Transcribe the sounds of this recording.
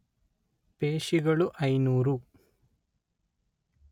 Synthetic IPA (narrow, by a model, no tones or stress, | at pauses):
peːʂiɣɐɭuʔɐjnuːru